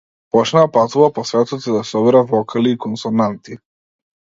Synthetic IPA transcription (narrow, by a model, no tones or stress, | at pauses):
pɔt͡ʃnaːpat̪uvapɔsvɛt̪ɔt̪ɛd̪asɔbɛɾavɔkʰaliːkɔnsɔnant̪i